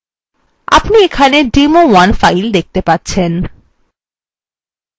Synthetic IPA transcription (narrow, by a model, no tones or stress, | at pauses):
a̰pniekʰaneɖimowanfajld̪ek̚t̪epatːɕʰen